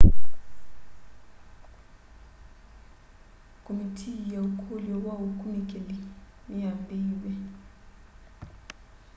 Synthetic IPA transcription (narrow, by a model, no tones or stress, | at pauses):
kʰʼomitʰijaukʰuljɔwaukʰʼumikʼeli | miambʱiːɓɛ